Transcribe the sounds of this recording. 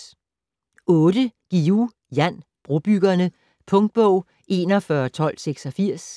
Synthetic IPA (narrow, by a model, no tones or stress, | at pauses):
ɔ̽ːd̥əɡ̥iu | jænb̥ʁob̥yɡ̥ɐnə | pʰɔ̽ŋd̥̚b̥ɔʊ̰ | e̝nɒfɶɐt͡sʰɒ̽l̰seɡ̥sɒ̽fiɐ̰s